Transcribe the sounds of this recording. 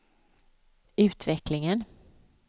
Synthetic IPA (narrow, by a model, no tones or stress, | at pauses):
ʉ̟ːt̪vɛklɪŋən